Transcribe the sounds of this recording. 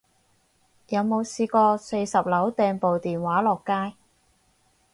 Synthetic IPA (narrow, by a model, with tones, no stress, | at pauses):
jɐ˨˧wmo˨˧wsiː˧kɔː˧se˧jsɐ˨p̚lɐ˨˥wt̪ɛː˧ŋpo˨wt̪iː˨nwaː˨˥lɔː˨kːaː˥j